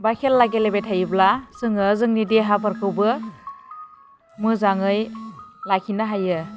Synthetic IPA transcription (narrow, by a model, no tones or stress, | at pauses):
bajkʰelːaɡelebetʰajɯblasɯŋɯzɯŋnideɦapʰaɾkʰɯwbɯ | mɯzaŋɯjlakʰinaɦajɯ